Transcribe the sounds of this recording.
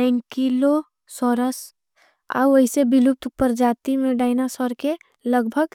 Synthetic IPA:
ə̃nkilo | sɔːɾəs | a̰wɐɪsebilup̚t̪ʊpəɾd͡ʒaːt̪imẽɖaːɪnasɔɾke | ləɡbʱəɡ

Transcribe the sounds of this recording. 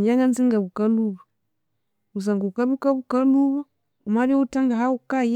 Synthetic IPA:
d͡ʒaŋɡanziŋɡabukaluba | us̬aŋɡukabukabukaluba | umadiutaŋɡaɦawukaj

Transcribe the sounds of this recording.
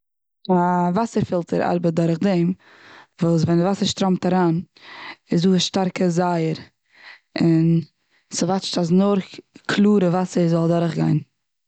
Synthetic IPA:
avasəɾfɪlˠtəɾa̰ɾbət̚dʊɾχdɛm | vuːs̬vɛnɪvasəɾʃtɾɔmtaɾaːn | ɪsduːʃtaɾkəzaɪəɾ | ɪn | səvat͡ʃtas̬nʊɾkʰlˠuːɾəvasəzɔlˠdʊɾχɡa̰ɪn

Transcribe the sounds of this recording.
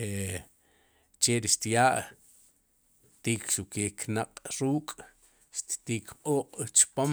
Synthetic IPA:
e | t͡ʃeɾiʃt̪jaːʔ | t̪iːkʃukeːknaqʼɾuːkʼ | ʃt̪t̪iːkʰqʼoːqʼt͡ʃpom

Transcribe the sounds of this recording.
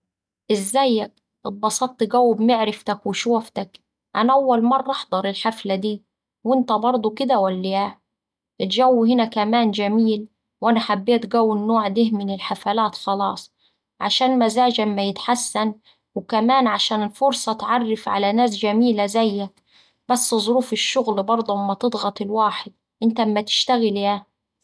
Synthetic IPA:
ʔɪzːæjːæk̚ | ʔɪt̪̚ˤbɑsˤɑt̪ˤːiɡæwːɪbmɪʕɾɪft̪akwɪʃuːft̪ak | ʔanaʔawːalmɑrˤːɑʔɑħd̪ˤɑɾˤɪlħaflad̪iː | wɪnt̪æbɑɾˤd̪ˤukɪd̪awælːijæː | ʔɪt̪d͡ʒæwːhɪnækæmaːnd͡ʒamiːl | wʔanaħabːeːt̪ɡæwːɪnːoːʕd̪ɪhmɪnɪlħafalaːt̪xɑlɑ̰ːsˤ | ʕaʃaːnmazaːd͡ʒaɪmːajɪt̪ħasːan | wkamaːnʕaʃaːnɪlfʊɾsˤɑt̪ʕɑrːɪfʕa̰lanaːs̬d͡ʒamiːlazæjːa | b̥asːzˤʊɾuːfɪʃːʊɣlbɑɾˤd̪ˤuʔɪmːæt̪ɨd̪ˤɣɑt̪ˤɪlwaːħɪd̪̚ | ʔɪnt̪aɪmːæt̪ɪ̥ʃt̪aɣɪljaː

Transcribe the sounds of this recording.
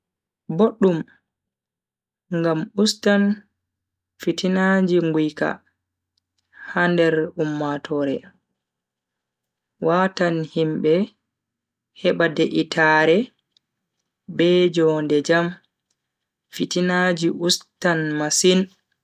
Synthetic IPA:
boɗːum | ŋɡamustan | fitinad͡ʒiŋɡujka̰ | handɛɾumːatʰɔɾɛ | wʔatanhimbɛ | hɛɓadɛʔitaɾɛ | bɛd͡ʒɔndɛd͡ʒam | fitinad͡ʒiʔustanmasin

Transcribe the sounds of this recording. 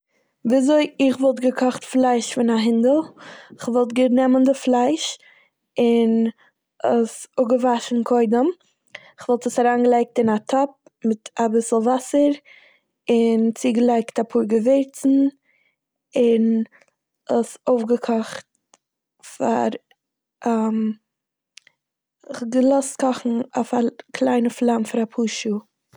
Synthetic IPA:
viːazoɪɪχvɔlˠtɡəkʰɔχtflˠaɪʃfɪnaɦɪndəlˠɪχvɔlˠtɡənɛməndɪflˠaɪʃ | ɪn | əsʊɡəvaʃn̩kʰɔɪdəm | ɪχvɔlˠtəsaɾaːnɡəlˠaɪk̚tɪnatʰɔp̚ | mɪtabɪsl̩ˠvasəɾ | ɪnt͡siɡəlˠaɪktapʰuːɾɡəvɪɾt͡sn̩ | ɪn | əsoʊfɡəkʰɔχt | fa̰ɾ | am | ɪχɡəlˠɔst̚kɔχn̩ofakʰlˠaɪnəflˠamfɪɾapʰuːʃu

